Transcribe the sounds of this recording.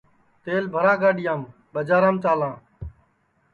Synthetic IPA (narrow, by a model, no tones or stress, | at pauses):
t̪eːlbʱəɾãːɡaːɗɪjãːm | ɓəd͡ʒaːɾãːmt̪aːlãː